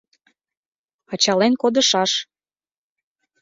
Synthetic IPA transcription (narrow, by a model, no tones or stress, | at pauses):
ɑt͡ɕɑlenkod̪əʃɑʃ